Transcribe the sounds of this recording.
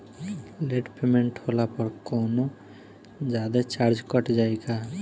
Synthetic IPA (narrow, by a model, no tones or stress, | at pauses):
leʈpemeɳʈholapɔɾkɔwno | d͡ʒad̪et͡ʃaɾd͡ʒkɔʈd͡ʒajka